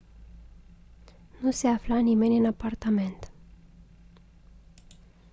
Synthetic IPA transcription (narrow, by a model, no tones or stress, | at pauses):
nuse̞aflanimenʲɨnapart̪ame̞nt̪